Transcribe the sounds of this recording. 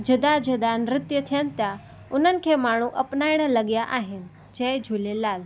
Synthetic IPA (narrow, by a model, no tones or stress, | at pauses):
d͡ʒɐd̪ad͡ʒəd̪anɾɪt̪jət̪ʰijənɪ̆t̪ja | ʊn̤ənɪ̆kʰemaːɳ̤ũʔɐpnaːɪɽ̃əlɐɠjaʔaːɦɪnɪ̆ | d͡ʒed͡ʒʱulelaːl